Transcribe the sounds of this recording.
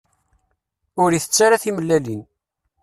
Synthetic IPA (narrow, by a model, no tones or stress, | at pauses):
ʊɾiθət͡sːaɾaθiməlːælin